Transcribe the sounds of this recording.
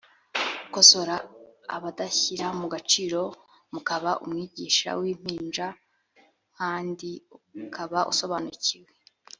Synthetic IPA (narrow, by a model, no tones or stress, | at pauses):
ukoso̞ɾa̰ːβadaçiɾamuɡat͡ʃiːɾo̞ | mukaβaʔṵmŋiːɟiːʃa̰wiːm̥iːnʒa | kaːndiukʰaβaʔṵso̞βanuciwe